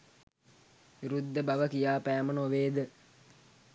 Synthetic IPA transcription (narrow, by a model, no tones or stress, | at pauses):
ʋiɾud̪ːəbaʋəkijaːpæːmənoʋeːd̪ə